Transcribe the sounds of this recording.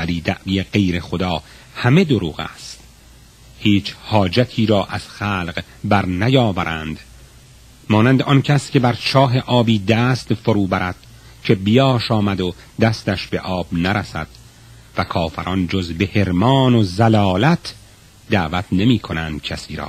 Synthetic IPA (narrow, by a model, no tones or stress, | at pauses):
væliːd̪ʰæʔviːjeɢejɾe̞xod̪ɒː | hæme̞d̪oɾuːɣæ̰ːst̪ | hiːt͡ʃʰhɒːd͡ʒæt̪ʰiːɾɒːʔæz̥xæːlq | bæɾnæjɒːvæɾʔænd̪ | mɒːnænd̪eɒncʰæscʲe̞bæɾt͡ʃʰɒːɦe̞ʔɒːbiːd̪æːst̪foɾuːbæɾæd̪̥̚ | cʰe̞bijɒːʃɒːmæd̪o | d̪æst̪æʃbe̞ʔɒːbnæɾæsæ̰d̪̥ | vækʰɒːfæɾʔɒnd͡ʒozbe̞he̞ɾmɒːnozælɒːlæt̪ʰ | d̪æːvæt̪ʰne̞miːkʰo̞nænd̪̥cʰæsiːɾɒ̰ː